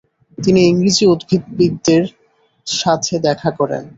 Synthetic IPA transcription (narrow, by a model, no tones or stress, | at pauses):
t̪iniiŋɡɾid͡ʑiud̪bʱit̪bid̪ːeɾ | ʃat̪ʰed̪ɛkʰakɔɾḛn